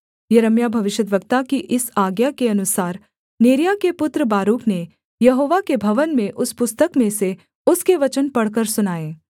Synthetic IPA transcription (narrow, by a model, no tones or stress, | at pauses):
jɐɾəmjabʱɐʋɪʃəd̪ʋəkt̪akiʔɪsaːɡjakeɐnʊsaːɾ | neːɾjakepʊt̪ɾəbaːɾuːkne | jɐɦoːʋakebʱɐʋənmẽʔʊspʊst̪əkmẽse | ʊskeʋɐt͡ʃənpɐɽ̤kəɾsʊnaːeː